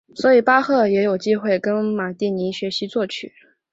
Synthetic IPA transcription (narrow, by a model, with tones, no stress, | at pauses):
swɔ˧˥i˨˩pa˥xɤ˥˩jɛ˧˥jo˨˩ʊt͡ɕi˥xwe˥˩ɪkə˥nma˨˩t̪i˥˩ni˧˥ɕɥɛ˧˥ɕi˧˥t͡swɔ˥˩t͡ɕʰy˨˩˦